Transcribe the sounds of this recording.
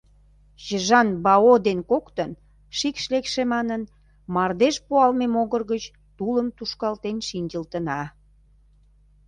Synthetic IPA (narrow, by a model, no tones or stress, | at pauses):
jəʒɑnbɑod̪enkokt̪ən | ʃikʃlekʃemɑnən | mɑrd̪eʃpuɑlmemoɣərɣət͡ɕ | t̪uləmt̪uʃkɑlt̪enʃinʲd͡ʑəlt̪ənɑ